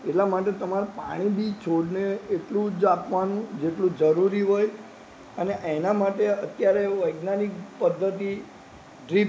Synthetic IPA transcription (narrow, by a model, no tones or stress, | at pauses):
eʈlamaʈ̬et̪əmaɾapa̰ɽ̃ibʱit͡ʃʰoɽneːʈlũd͡ʒapʋanũd͡ʒeʈlũd͡ʒəɾuɾiɦoj | əneʔenamaʈeət̪jaɾeʋəjɡnanikpəd̪ʱːət̪i | ɖɾi